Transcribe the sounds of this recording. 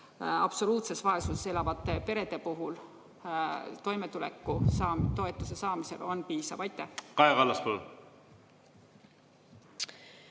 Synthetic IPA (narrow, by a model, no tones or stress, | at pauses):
ɑb̥so̞luːt̪se̞svɑe̞susse̞lɑvɑt̪ːˑe̞pe̞ɾe̞d̪̥e̞puɦul | t̪o̞jme̞t̪ule̞̰kːusɑːt̪o̞e̞t̪ːˑuse̞sɑːmise̞̰lo̞npiːsɑvɑjt̪ˑːekɑjɑkɑlːɑspol